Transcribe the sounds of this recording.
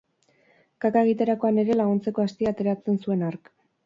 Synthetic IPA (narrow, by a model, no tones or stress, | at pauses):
kakaeɣit̪eɾako̞ane̞ɾe̞laɣunt͡se̞ko̞ast̪iaːt̪e̞ɾat͡se̞nsue̞naɾk